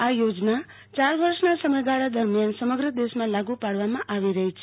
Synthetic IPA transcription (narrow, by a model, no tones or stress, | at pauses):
ajod͡ʒna | t͡ʃaɾʋəɾʃnasəməd̪aɾad̪əɾmjansəməɡɾəd̪esmãlaɡupaɽʋamãʔaʋiɾəɦit͡ʃʰe